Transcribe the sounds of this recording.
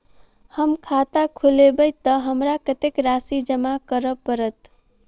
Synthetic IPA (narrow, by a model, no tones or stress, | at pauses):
həmkʰat̪akʰulebəjt̪əɦəmɾakət̪ekɾasid͡ʒəmakəɾəpəɾət̪